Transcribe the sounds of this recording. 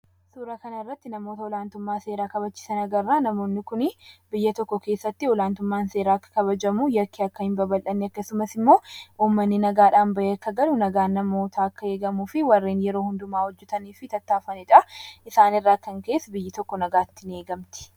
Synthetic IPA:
suːɾɐkɐnɐɪrːɐt̪ːɪnɐmoːt̪ɐɔlaːnt̪ʊmːaːse̞ːɾaːkɐbɐt͡ʃːɪ̥sɐnɐɡɐrːaːnɐmo̞ːnːɪkʊnɪbɪjːɐt̪ɔkːɔke̞ːsːɐt̪ːɪɔlaːnt̪ʊmːaːnse̞ːɾaːkːɐ̥kɐβɐd͡ʒɐmujɐkːiɐkːɐhɪmbɐbɐlʔɐnːɪɐkːɐsʊmɐsɪmːo̞ːʔuːmːɐnːɪnɐɡaːᶑaːnbɐʔeːkːɐɡɐlʊnɐɡaːnːɐmoːt̪ʰaːɐkːɐe̞ːɡɐmuːfɪwɐrːeːnjɛɾo̞ːhʊnd̪ʊmaːhɔd͡ʒːɛt̪ɐniːfɪt̪ɐt̪ːaːfɐnɛᶑɐɪsaːnɪrːaːkːɐŋke̞ːsbɪjːɪt̪ɔkːɔnɐɡaːt̪ːɪne̞ːɡɐmt̪ɪ̥

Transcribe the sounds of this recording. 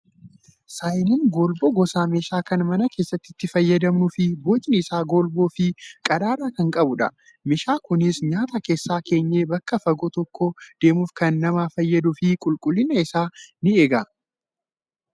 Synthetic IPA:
saːjnɪnɡoːlboɡɔsaːmeːʃaːkɐnmɐnɐke̞ːsːɐt̪ːɪt̪ːɪfɐjːɐd̪ɐmnʊfɪbo̞ːt͡ʃʼɪnɪsaːɡoːlboːfɪkʼɐd̪aːɾaːkɐŋkʼɐbʊᶑɐ̰ | mɪʃaːkʊnɪsɲaːt̪ɐke̞ːsːaːke̞ːɲːeːbɐkːɐfɐɡot̪ɔkːod̪̥e̞ːmufkɐnːɐmaːfɐjːɐd̪ʊfɪkʼʊlkʼʊlːɪnɐɪsaːnɪeːɡɐ

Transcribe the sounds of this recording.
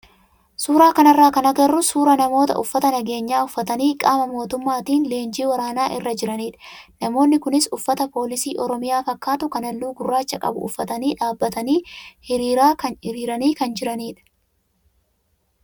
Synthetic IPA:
suːɾaːkɐnɐrːaːkɐnɐɡɐrːʊsuːɾɐnɐmo̞ːt̪ɐ̰ʔʊfːɐt̪ɐnɐɡe̞ːɲːaːʊfːɐt̪ɐniːkʼaːmɐmo̞ːt̪ʊmːaːt̪iːnle̞ːnd͡ʒiːwɐɾaːnaːʔɪ̰rːɐd͡ʒɪɾɐniːᶑɐ̥nɐmo̞ːnːɪkʊnɪsʊfːɐt̪ɐpo̞ːlɪsiːʔɔɾɔmɪjaːfɐkːaːt̪ʊkɐnɐlːuːɡʊrːaːt͡ʃːɐkʼɐ̰bʊ̰ʔʊ̰fːɐt̪ɐniːᶑaːbːɐt̪ɐniːhɪɾiːɾaːkɐnɪɾiːɾɐniːkɐnd͡ʒɪɾɐniːᶑɐ̥

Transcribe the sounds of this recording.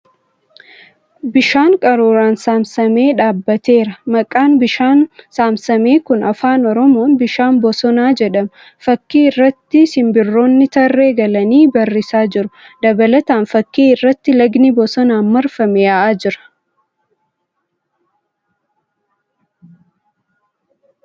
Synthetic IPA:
bɪʃaːŋkʼɐɾuːɾaːnsaːmsɐme̞ːᶑaːbːɐt̪e̞ːɾɐmɐkʼaːnbɪʃaːnsaːmsɐme̞ːkʊnɐfaːnɔɾɔmo̞ːnbɪʃaːmbɔsɔnaːd͡ʒɛᶑɐm | fɐkːiːɪrːɐt̪ːɪsɪmbɪrːo̞ːnːɪt̪ɐrːe̞ːɡɐlɐniːbɐrːɪsaːd͡ʒɪɾʊ | d̪ɐbɐlɐt̪aːnfɐkːiːɪrːɐt̪ːɪlɐɡnibɔsɔnaːnmɐɾfɐmɛjɐʔaːd͡ʒɪɾɐ̥

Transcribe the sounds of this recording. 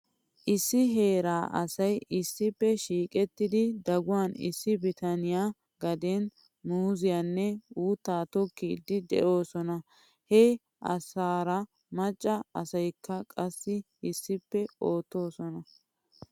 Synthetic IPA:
ʔɪsːɪɦe̞ːɾaːʔɐ̰sɐjɪsːɪpːɛʃiːkʼɛt̪ːɪd̪ɪd̪ɐɡʊwanɪ̰sːɪbɪt̪ɐnɪja | ɡɐd̪ɛn | nuːzɪjanːɛuːt̪ːaːt̪ɔkːiːd̪ːɪd̪ɛ̰ʔo̞ːsɔnɐ | hɛ | ʔɐ̰saːɾɐ | mɐt͡ʃʼːɐɐsɐjkʰːɐkʼɐsːɪ | ɪsːɪpːɛoːt̪ːo̞ːsɔnɐ

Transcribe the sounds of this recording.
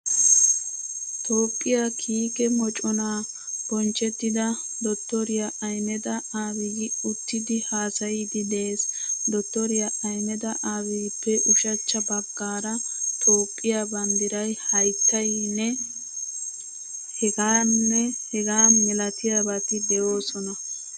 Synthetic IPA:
t̪o̞ːpʼːɪjakʰiːkɛmɔt͡ʃʼɔnaː | b̥ɔnt͡ʃʼːɛt̪ːɪd̪ɐ | d̪ɔt̪ːɔɾɪjaʔɐjnɛd̪ɐaːwɪɡɪʊt̪ːɪd̪ɪhaːsɐjɪd̪ɪd̪e̞ːsd̪ɔt̪ːɔɾɪjaɐjnɛd̪ɐʔaːwijpːɛʔʊʃɐt͡ʃːɐbɐɡːaːɾɐt̪ʰo̞ːpʼːɪjaːbɐnd̪ɪɾɐjhɐjt̪ːɐjiːnːɛ | hɛɡaːnːɛhɛɡaːmɛlɐt̪ɪjabɐt̪ɪd̪ɛjo̞ːsɔnɐ

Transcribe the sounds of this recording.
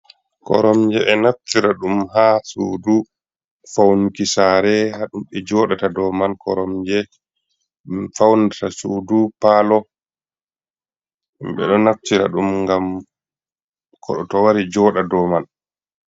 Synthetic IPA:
kɔ̰ɾɔmd͡ʒɛʔɛnaftiɾaɗumɦasuːdu | fawnukisaːɾɛhaɗumɓɛd͡ʒɔːɗatadɔmankɔ̰ɾɔmd͡ʒɛ | fawndatasuːdupaːlɔ | mɓɛ̰ɗɔnaftiɾa̰ɗumŋɡam | kʰɔɗɔtɔwaɾid͡ʒɔːɗadɔːman

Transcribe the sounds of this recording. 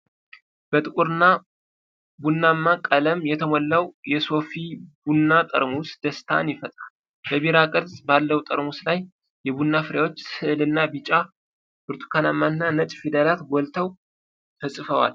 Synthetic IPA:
b̥ət̪ʼɨkʼuɾɨnːa | bunːamːakʼələmjɛt̪ʰəmɔlːəwjɛso̞fibunːat̪ʼə̰ɾmusd̪̥əst̪ʰa̰njɪfət̪ʼal | bəbiɾakʼəd̪sʼbalːəwut̪ʼəɾmuslaj | jɛbunːafɨɾjawo̞t͡ʃːsɨʔlɨnːabit͡ʃʼa | b̥ɨɾt̪ʰu̥kʰanamːaɨnːanət͡ʃʼfid̪əlat̪ɡɔlt̪ʰəw | t̪ʰəsʼɨfəwa̰l

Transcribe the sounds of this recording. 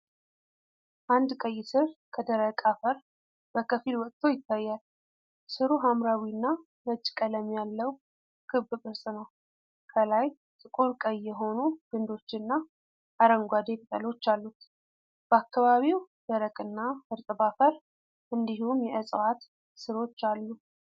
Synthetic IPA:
ʔand̪kʼəjːsɨɾkʰəd̪əɾəkʼafəɾ | b̥əkʰəfilwɔkʼt̪ʰːo̞jɪt̪ːajːal | sɨɾuɦamɾawinːa | mət͡ʃʼːkʼələmːjalːəw | kʰɨβɨbʼɨɾsʼnəw | kʰəlaj | t̪ʼɨkʼuɾkʼəjːɛɦo̞nuɡ̥ɨnd̪o̞t͡ʃːnːa | ʔaɾəŋɡʷad̪e̞k̪ʼt̪ʼəlo̞t͡ʃːalːut̪ | b̥əakːaβaβiw | d̪̥əɾəkʼɨnːafɨɾt̪ʼɨbafəɾ | ʔɨnd̪ihumjɛɨsʼwat̪ | sɨɾo̞t͡ʃːalːu

